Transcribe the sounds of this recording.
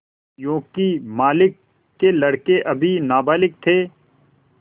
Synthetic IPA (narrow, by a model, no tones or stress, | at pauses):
jõːkimaːlɪkː | elɐɽkeʔɐbʱinaːbaːlɪk̚t̪ʰeː